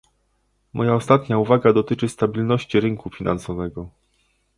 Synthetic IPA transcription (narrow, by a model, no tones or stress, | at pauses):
mʔɔjaɔst̪at̪ɲauvaɡad̪ɔt̪ɘt͡ʂɘst̪abʲilnɔɕt͡ɕiɾɘŋkufʲinʔa̰nsɔvɛɡɔ